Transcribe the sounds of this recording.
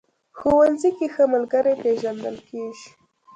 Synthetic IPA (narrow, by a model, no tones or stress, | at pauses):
xowanzikexəmalɡaɾepeʒand̪əlkeʒi̥